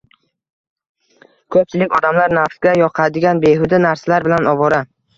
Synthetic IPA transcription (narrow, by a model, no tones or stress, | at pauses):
kʰɵp̚t͡ʃʰɪlɪkʲɒd̪amlaɾnafsɡʲajɒqʰɑd̪ɪɡʲanbe̞ɦʊd̪anaɾsalaɾbɪlanɒvɒɾa